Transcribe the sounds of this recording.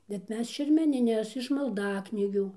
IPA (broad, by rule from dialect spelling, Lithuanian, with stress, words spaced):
bʲɛt ˈmʲɛs ʃʲɛrʲmʲɛnʲɪˈnʲɛs ɪʃ mɐlˠˈdɑːknʲiːɡʲuː